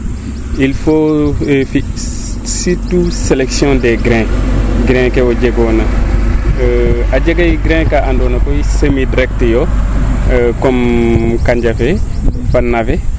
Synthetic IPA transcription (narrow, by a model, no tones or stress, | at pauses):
ilfofi | situselɛksjɔ̃dɛɡɾɛ̃ɡɾɛ̃kɛwɔɟɛɡɔna | aɟɛɡajɡɾɛ̃ːkaandɔːnakɔjisəmidɾɛk̚tjɔ | kɔmkaɲd͡ʒafɛ | fanːafɛ